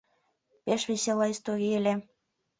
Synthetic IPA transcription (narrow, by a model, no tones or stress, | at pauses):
peʃβeselɑist̪oɣielʲe